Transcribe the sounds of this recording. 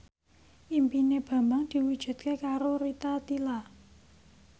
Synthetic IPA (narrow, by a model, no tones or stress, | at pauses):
ʔimpineb̥ä̤mbaŋd̪̥i̤wud̥ʒ̥ṳt̪̚kekaɾoɾit̪at̪ila